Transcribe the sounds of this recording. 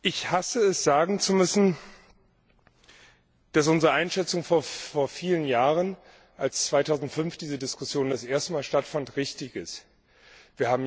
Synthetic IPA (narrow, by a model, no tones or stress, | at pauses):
ʔɪçhasəɛsz̥aːɡŋ̩t͡sumʏsn̩ | d̥as̬ʔʊnzəʁəʔaɪnʃɛt͡sʊŋfoːɐfoːɐfiːlənjaːʁən | ʔalst͡sv̥aɪtʰaʊzn̩tfʏnfd̥iːzədɪskʊsjoːndasʔeːɐstəmaːlʃtatfantʁɪçtɪçɪst | v̥iːɐhaːbm̩